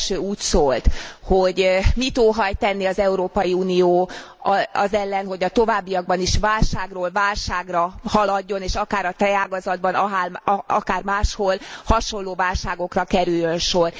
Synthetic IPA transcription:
ʃøːuːcsoːlt̪ho̞ɟmit̪oːɦɒjt̪ɛnːiɒzɛuɾoːpɒjiuːnijoː | ɒ̰zɛlːɛnɦo̞ɟɒt̪o̞vaːbːijɒɡ̚bɒniʃʋaːlʃaːɡroːlvaːlʃaːɡrɒhɒlɒɟːo̞neːʃɒkaːɾɒt̪ɛaːɡɒzɒd̪̚bɒnɒɦaːlɒ̰kaːrmaːʃholhɒʃo̞lːoːvaːlʃaːɡo̞krɒkɛɾyjːø̞nʃo̞r

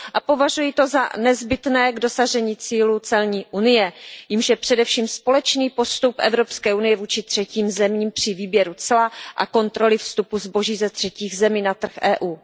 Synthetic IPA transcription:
ʔapo̞vaʒujit̪o̞za̰nɛzbɪt̪nɛːɡdo̞saʒɛɲiːt͡siːlut͡sɛlɲiːʔunɪjɛjɪmʃjɛpr̝̥ɛdɛfʃiːmspo̞lɛt͡ʃniːpo̞st̪upʔɛ̰vɾo̞pskɛːʔunɪjɛvuːt͡ʃɪt̪r̝̥ɛciːmzɛmiːmpr̝̥ɪviːbjɛɾut͡sɛlaʔa̰ko̞nt̪ɾo̞lɪfst̪upuzbo̞ʒiːzɛt̪r̝̥ɛciːɣzɛmiːnat̪r̩xʔɛːʔuː

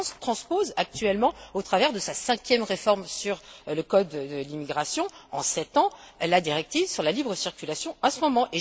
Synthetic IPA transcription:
st̪χɑ̃spozak̚t̪ɥɛlmɑ̃ot̪χavɛʁd̪əsasɛ̃kʲjɛmʁefɔʁmsyʁləkɔd̪d̪əlimiɡʁasjɔ̃ɑ̃sɛt̪ɑ̃lad̪iʁɛk̚t̪ivsyʁlalibʁəsiʁkʲylasjɔ̃ãsəmɔmɑ̃ʔe

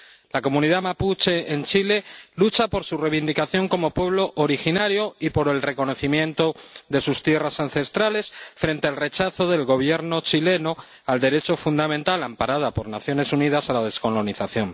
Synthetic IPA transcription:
lako̞mũniðamaput͡ʃe̞ent͡ʃile̞lut͡ʃapo̞ɾsureβind̪ikaθjo̞ŋko̞mopwe̞β̞lo̞ʔoɾixinaɾjo̞ipo̞ɾe̞lre̞ko̞no̞θimjẽ̞nt̪o̞ðe̞sust̪je̞rasan̟θe̞st̪ɾale̞sfɾe̞nt̪ealre̞t͡ʃaθo̞ðe̞lɣo̞β̞je̞ɾno̞t͡ʃile̞no̞ | ald̪e̞ɾe̞t͡ʃo̞fund̪amẽnt̪alampaɾað̞apo̞ɾnaθjo̞ne̞sunið̞asalað̞e̞sko̞lo̞niθaθjo̞ŋ

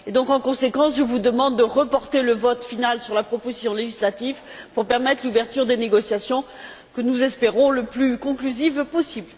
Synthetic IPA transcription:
ed̪ɔ̃kɑ̃kɔ̃sekɑ̃sʒəvud̪əmɑ̃d̪ːəʁəpɔʁt̪eləvɔt̪finalsyʁlapχɔpozisjɔ̃leʒislat̪ivpuʁpɛʁmɛt̪χluvɛʁt̪yʁd̪eneɡɔsjasjɔ̃ | kənuzɛspeʁɔ̃ləplykɔ̃klyzivpɔsibl

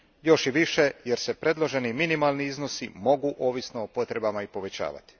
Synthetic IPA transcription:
jo̞ʃiʋiʃe̞je̞ɾse̞pɾe̞d̪lˠo̞ʒe̞niminimalˠniizno̞simo̞ɡuʔo̞ːʋisnoːpo̞t̪ɾe̞bamaipo̞ʋe̞t͡ɕa̰ːʋa̰t̪i̥

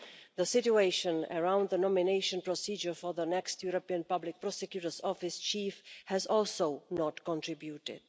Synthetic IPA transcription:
ðəsɪt͡ʃueɪʃə̃nə̰ɹãʊ̃nd̪ðənɔmɪneɪʃə̃npɹɔsid͡ʒə˞fɔ˞ðənɛkstjuɹopiə̃npʌblɪk̚pʰɹ̥ɔsɛkjuɾə˞zɔfɪst͡ʃifhæzɔlˠsoʊnɔtkɔ̃ntʰɹ̥ɪbjutɪ̰d̥̚

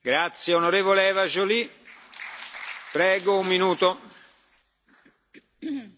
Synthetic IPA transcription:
ɡɾat̪sjeonoɾeːvoleɛvaʒoli | pɾɛːɡoumːinuːt̪o

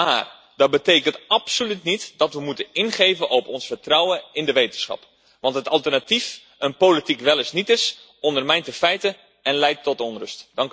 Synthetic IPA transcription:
ma̰ːr | d̥ɔt̚bəteːkəntɑpsolytnitdɑtʋəmutənɪnχeːvənʔɔpɔnsfərtrɔwəɪndəʋejtəsχɑ̰p | ʋɑntɦətɑlˠtərnatif | ənpolitikʋɛlˠɪsnitɪs | ɔndərmɛjntəfɛjtə | ɛnlɛjtːɔtɔnrɵstd̥ɑŋk

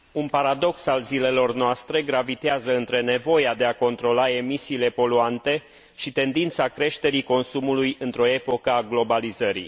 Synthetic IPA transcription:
unpaɾad̪o̞ksalzile̞lo̞rnoast̪ɾe̞ɡɾavit̪eazəɨnt̪ɾe̞ne̞vo̞jad̪e̞ako̞nt̪ɾo̞lae̞misiːle̞po̞luant̪e̞ | ʃit̪e̞nd̪int̪sakɾe̞ʃt̪e̞ɾiko̞nsumulujɨnt̪ɾo̞e̞po̞kəaɡlo̞balizəɾḭ

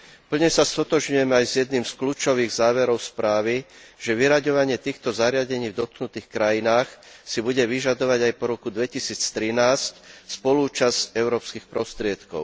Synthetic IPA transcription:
pl̩ɲɛsast̪ɔt̪ɔʒɲujɛmɛajzjɛd̪niːmskluːt͡ʃɔʋiːɣzaːʋɛɾɔʊspɾaːʋiʒ̥ɛʋiɾaɟɔʋaɲɪɛt̪iːxt̪ɔzaɾɪaɟɛɲiːvd̪ɔt̪̚knut̪iːxkɾajinaːxsibuɟɛʋiʒad̪ɔʋaɟajpɔɾɔkud̪ʋɛcisiːt͡st̪ɾinaːscspɔluːt͡ʃazcɛʊɾɔːpskiːxpɾɔst̪ɾɪɛt̪kɔ̰ʊ

